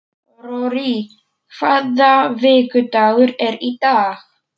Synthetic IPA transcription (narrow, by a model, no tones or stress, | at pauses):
ɾɔɾi | kʰvaðavɪːkʏt̪aːɣʏɾɛɾit̪aːx